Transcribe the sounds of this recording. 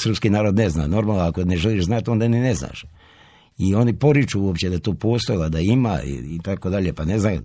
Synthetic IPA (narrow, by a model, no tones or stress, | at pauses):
srpskinaːɾod̪nezna̰ːno̞ɾmaːlˠnoakoneʒeliʃznat̪o̞nd̪aninezna̰ʃ | io̞nipo̞ɾit͡ʃuuopt͡ɕed̪at̪oːpo̞ːst̪ojlˠad̪aima̰ḭit̪ako̞d̪aʎepane̞zna